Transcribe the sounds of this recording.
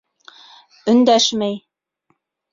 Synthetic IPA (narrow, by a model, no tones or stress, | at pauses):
ɵ̆nd̪æʃmæj